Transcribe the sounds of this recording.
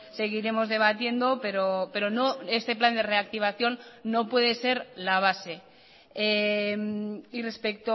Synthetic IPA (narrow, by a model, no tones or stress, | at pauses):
se̞ɣ̞iɾe̞mo̞zðe̞β̞at̪je̞nd̪o̞peɾope̞ɾo̞noe̞st̪e̞pland̪e̞re̞ak̚t̪iβ̞aθjo̞nːo̞pwe̞ð̞e̞se̞ɾlaβ̞ase̞ | emire̞spekt̪o